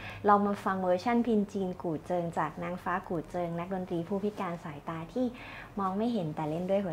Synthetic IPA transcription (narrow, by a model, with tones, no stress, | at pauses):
ɾa˧wmaː˧fa˧ŋwɤː˧t͡ɕʰa˥˩npʰi˧nt͡ɕiː˧nkuː˨˩t̪̚t͡ɕɤː˧ŋt͡ɕaː˨˩k̚naː˦˥ŋfaː˦˥kuː˨˩t̪̚t͡ɕɤː˧ŋna˦˥k̚do˧nt̪ɾiː˧pʰuː˥˩pʰi˦˥t̪̚kaː˧nsaː˩˦jt̪aː˧t̪ʰiː˥˩ | mɔː˧ŋma˥˩jɦe˩˦nt̪ɛː˨˩le˥˩ndu˥˩əjkʰu˩˦